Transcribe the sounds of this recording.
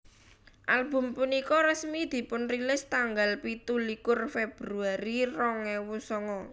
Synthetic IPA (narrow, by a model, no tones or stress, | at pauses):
ʔalb̥ʊ̤mpunikɔɾəsmid̪̥i̤pʊnrilɪst̪aŋɡalpit̪ulikʊrfeb̥ɾuaɾirɔŋɛwusɔŋɔ